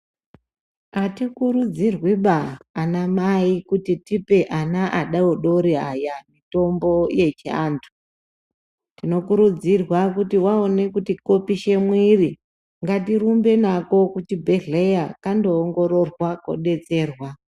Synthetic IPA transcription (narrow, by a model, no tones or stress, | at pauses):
atikuɾud͡zirwiɓaːnamaikutitipe̞ʔanaʔaɗaoɗoɾiajamito̞mbo̞je̞t͡ʃia̰ːntʰu̥ | tino̞kuɾud͡zirwakutiwaone̞kutiko̞piʃe̞mwiri | ŋɡatirumbe̞nako̞kutibʱe̞ɮejakando̞ːŋɡo̞ɾo̞rwako̰ɗe̞t͡se̞ːrwa